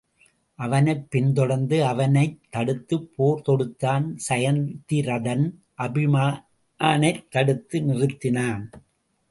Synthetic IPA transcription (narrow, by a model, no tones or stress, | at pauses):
ʔɐʋɐnɐɪpːɪnd̪ɔɽɐnd̪ɯɐʋɐnɐɪt̪ːɐɽɯt̪ːɯpʰːoːɾt̪ɔɽɯt̪ːaːnsɐjɐnt̪ːɪɾɐðɐn | ʔɐbɪmaː | aːnɐɪt̪ːɐɽɯt̪ːɯnɪrɯt̪ːɪnaːn